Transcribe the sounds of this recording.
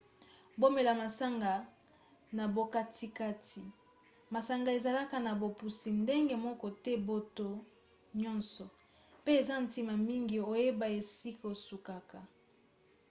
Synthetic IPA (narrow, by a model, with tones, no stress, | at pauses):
bo˦me˨la˨ma˨sa˦ŋɡa˨ | na˨bo˨ka˦tʰi˦ka˦ti˨ | ma˨sa˦ŋɡa˨e˨za˨la˦ka˨na˨bo˨pu˨si˨nde˦ŋɡe˦mɔ˦kɔ˦tɛ˦bo˦to˦ | ɲɔ˦nsɔ˨ | pe˦e˨za˦n̩˨ti˨ma˨mi˦ŋɡi˨o˨je˦ba˨e˨si˦ka˨o˨su˨ka˨ka˨